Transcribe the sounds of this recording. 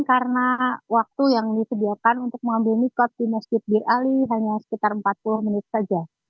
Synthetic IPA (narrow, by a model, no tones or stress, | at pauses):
kaɾənawak̚t̪ujaŋdisədiarkanunt̪ʊk̚məŋambɪlmikɔt̪̚dimaskit̪̚biraliɦaɲasə̥kit̪arəmpat̪̚pulʊhmənɪt̪̚sad͡ʒa